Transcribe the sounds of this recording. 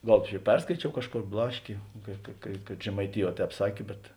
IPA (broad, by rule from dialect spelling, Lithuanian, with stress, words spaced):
ˈɡɐlˠ t͡ʃʲɛ ˈpʲɛrskɐɪt͡ʃʲɛʊ ˈkɑːʃˌkoːr ˈblˠɑːʃʲkʲeː kɐ kɐ kɐt ʒʲɛmɐɪˈtʲɪˌjuɔˈtʲɛːp ˈsɑːkʲeː bʲɛt